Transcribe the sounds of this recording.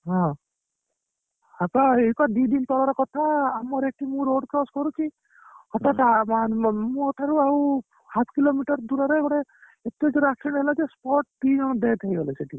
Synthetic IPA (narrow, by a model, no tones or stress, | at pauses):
ɦɔ̃ | apaekad̪id̪int̪ɔɽɔɾɔkɔt̪ʰaːmɔɾeʈimũɾoɖkɾɔskɔɾuki | hɔʈ̪at̪aamũɦɔʈʰaɾuaw | hapʰkilomiʈɔɾd̪uɾaɾɔekɔɽe | et̪ed͡ʒeɾaksɔɽɦelad͡ʒespɔʈ̚ʈid͡ʒɔɽ̃ɔd̪ejt̪ʰajɡɔleseʈʰi